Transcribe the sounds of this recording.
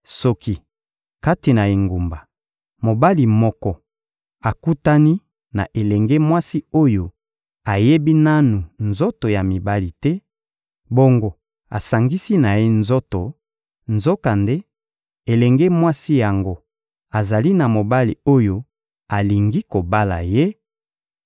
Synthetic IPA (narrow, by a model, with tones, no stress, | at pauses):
sɔ˦ki˨ | ka˦ti˨na˨e˨ŋɡu˨mba˨ | mo˨ba˦li˨mɔ˦kɔ˦ | a˨ku˦ta˦ni˦ | na˨ʔe˨lɛ˨ŋɡɛ˦mwa˦si˦o˦jo˨ | a˨je˦bi˦na˦nu˨nzo˦to˨ja˨mi˨ba˦li˨tɛ˦ | bo˦ŋɡo˦ | a̰˨sa˨ŋɡi˦si˦na˨je˦nzo˦to˨ | nzo˦ka˨nde˦ | e˨lɛ˨ŋɡɛ˦mwa˦si˦ja˨ŋɡo˦ | a˨za˨li˦na˨mo˨ba˦li˨o˦jo˦ | a˨li˨ŋɡi˦ko˨ba˦la̰˨je˦